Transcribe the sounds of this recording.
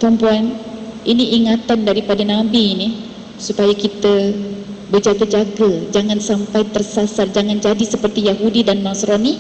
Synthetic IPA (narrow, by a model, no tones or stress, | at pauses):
pɾəmpuanʔiniʔːŋat̪andaɾipadanabini | supajakit̪ə | bəd͡ʒaɡəd͡ʒaɡad͡ʒaŋansampajt̪ərsasard͡ʒaŋand͡ʒadisəpərt̪ijaɦudidanmãsɾɔni